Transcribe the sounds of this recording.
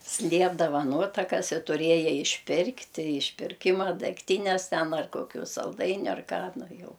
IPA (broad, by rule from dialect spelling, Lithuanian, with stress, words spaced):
ˈsʲlʲiɛbdɐʋɐ ˈnuɔtɐkɐs ɪ tʊˈrʲiɛjɛ ɪʃʲˈpʲɪrktʲɪ ɪʃʲpʲɪrʲˈkʲɪmɐ dʲɛkˈtʲiːnʲɛs ˈtʲɛn ɐr ˈkoːkʲʊ sɐlˠˈdɐɪnʲʊ ɐr ˈkɑː ˈnʊ ˈjɛʊ